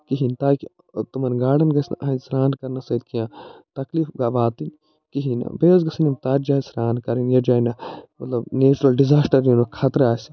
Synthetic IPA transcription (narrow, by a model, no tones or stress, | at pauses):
kiɦint̪aːki | t̪umɐnɡaːɖɐnɡɐsn̰ʔɐnsɾaːnkɐɾnɐsɐd̪kijãːt̪ɐkliːfɡaːʋaːt̪in | kiɦinɐ̰beːɐzɡɐsɐnʲimt̪aːɾd͡ʒaːsɾaːnkɐɾinjɐd͡ʒaːinɐmɐt̪lɐbneːt͡ʃuɾɐlɖizaːsʈɐɾjunɐkʰaːt̪ɾaːsi